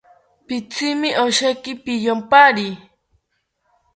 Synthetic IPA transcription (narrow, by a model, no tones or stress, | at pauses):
pɪt͡sɪmɪʔoʃakɪpɪjompaɾi